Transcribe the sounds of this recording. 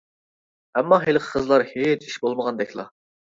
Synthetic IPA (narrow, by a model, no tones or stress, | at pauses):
ɛmːɑɦelˠqʰə̥qʰəzlˠɑɾhet͡ʃi̥ʃbolˠməʁɑnd̪ɛkʲlˠɑ̰